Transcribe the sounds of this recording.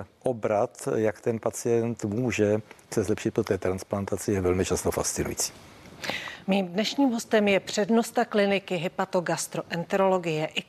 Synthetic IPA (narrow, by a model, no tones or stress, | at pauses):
ʔobɾat̪jakt̪ɛnpat͡sɪjɛnt̪muːʒɛsɛzlɛpʃɪt̪pɾot̪ɛːt̪ɾansplant̪at͡sɪjɛvɛlmɪt͡ʃast̪ofa̰st̪t͡sɪnṵjḭt͡si̥ː | miːmdnɛʃɲiːmɦo̞st̪ɛmjɛpr̝̥ɛdno̞st̪aklɪnɪkɪɦɪpat̪oɡast̪ɾoʔɛnt̪ɛɾolo̞ɡɪjɛʔɪ